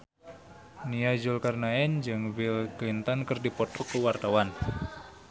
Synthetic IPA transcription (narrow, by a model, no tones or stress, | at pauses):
niad͡ʒʊlkarnaɛnd͡ʒɨŋvilklint̪ɔnkərdipɔt̪ɔkəwart̪awan